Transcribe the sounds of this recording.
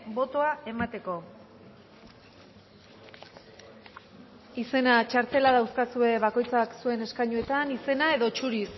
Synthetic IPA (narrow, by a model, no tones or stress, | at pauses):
bo̞t̪o̞ae̞mat̪e̞ko̞ | ise̞nat͡ʃaɾt̪e̞laðawskasue̞βako̞jt͡saksue̞ne̞skajɲue̞t̪anise̞nae̞ðo̞t͡ʃuɾis